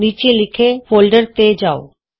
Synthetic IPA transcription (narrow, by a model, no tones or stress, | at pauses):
niːt͡ʃelɪkʰefoːlɖəɾt̪ed͡ʒaːo̰